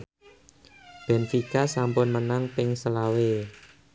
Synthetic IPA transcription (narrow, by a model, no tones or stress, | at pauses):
b̥ɛ̤nfikasampʊnmənaŋpɪŋsəlawe